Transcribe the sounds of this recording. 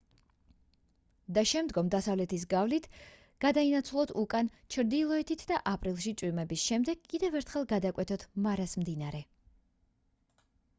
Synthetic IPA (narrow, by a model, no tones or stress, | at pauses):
d̪aʃɛmd̪ɡɔmd̪asavlɛt̪ʰis̬ɡavlit̪ʰ | ɡ̥ad̪ainat̪sʰulˠɔt̪ʰukʼant͡ʃʰɾd̪ilˠɔɛt̪ʰit̪ʰd̪aʔapʼɾilˠʃit̪t͡ʃ̪ʼwimɛbisʃɛmd̪ɛɡ̥kʼːid̪ɛvɛɾt̪ʰχɛlˠɡad̪akʼwɛt̪ʰɔt̪ʰmaɾasmd̪inaɾɛ